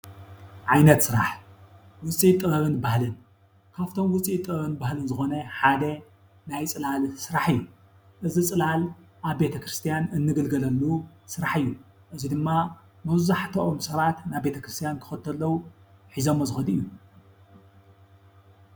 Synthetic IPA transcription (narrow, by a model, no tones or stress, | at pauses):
ʕajnɐt̪sɨɾa̰ħ | wʊt͡sʼit̪ʼːɨβɐβɨnbahlɨn | kʰaft̪ʰo̞mwʊt͡sʼit̪ʼːɨɐβɐnbahlɨnzɨxo̞nɐħad̪ɐ | najt͡sʼɨlalsɨɾaħɨjːu | ʔɨzit͡sʼɨlal | ʔaβbe̞t̪ʰɐkɾɨst̪ʰijanɨnːɨɡɨlɡɐlɐlːu | sɨɾaħɨjːu | ʔɨzid̪ɨmːa | mɐβzaħt̪ʰoʔomsɐβat̪naβbe̞t̪ʰɐkɾɨst̪ʰijankʰɨ̥xɐt̪ʰːɐlːɐwuħizomːɐzɨxɐd̪ɨjːu